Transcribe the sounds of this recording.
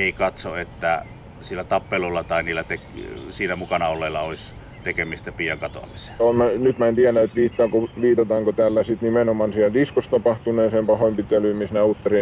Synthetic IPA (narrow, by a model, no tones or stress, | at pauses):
eikɑt̪soet̪ːæ | silːæt̪ɑpːelolːɑt̪ɑiniːlːæt̪eksiːt̪æmukɑnɑolːelːɑois | t̪ekemist̪æpiːjɑŋkɑt̪o̰ɑ̰misomænyt̪mæent̪iænæet̪ʋiːt̪ːɑːkoʋiːt̪ɑt̪ɑːŋkot̪æːlːæsit̪nimenomɑnsiæld̪iskost̪ɑpɑht̪uneːseːmpɑhoimpit̪ːˑelyˑmmisneuˑt̪ːɑri